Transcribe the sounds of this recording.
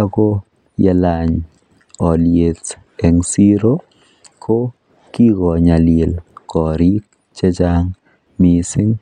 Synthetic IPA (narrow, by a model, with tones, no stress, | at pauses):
a˦ko˦ | jɛ˦la˨ɲ | ɔ˨lje˨t | ɛ˨ŋsi˦ɾo˦ | kʰo˦ | ki˦ɡɔ˨ɲa˨lje˨lkɔ˨ɾi˦k | t͡ʃɛ˦d͡ʒa˦ŋ | mi˨sɪ˦ŋ